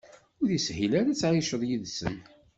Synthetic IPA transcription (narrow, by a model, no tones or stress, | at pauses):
ʊɾðishilæɾæt͡sːʕiʃəðˤjiðsə̰n